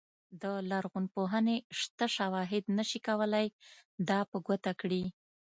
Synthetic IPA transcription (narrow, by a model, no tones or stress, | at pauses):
d̪əlaɾɣunpoɦəneʂt̪aʃawɑɦɪd̪nəʃikawəlajd̪ɑpəɡət̪akɽi